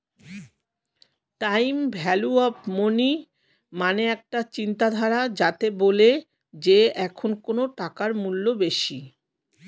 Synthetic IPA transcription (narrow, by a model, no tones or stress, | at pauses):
ʈajmbʱɛluɔpmoni | maneɛk̚ʈat͡ɕint̪ad̪ʱaɾad͡ʑat̪ebole | d͡ʑeɛkʰonkonoʈakaɾmulːobeʃi